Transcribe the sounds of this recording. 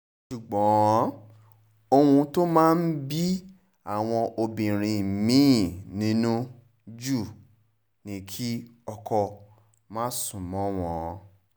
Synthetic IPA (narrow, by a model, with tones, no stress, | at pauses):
ʃu˨ɡ͡bɔ̃˨˦ | o˧hũ˧to˦mãː˦n̩˦bi˦ | a˦˨w̃ɔ̃˧ʔo˧bĩ˨ɾ̃ĩ˨mĩ˨˦˨nĩ˨˦nũ˦ | d͡ʒu˦˨ | nĩ˨˦kʰi˦ɔ˧kʰɔ˧ | mãː˦sũ˦˨mɔ̃˨˦w̃ɔ̃˨˦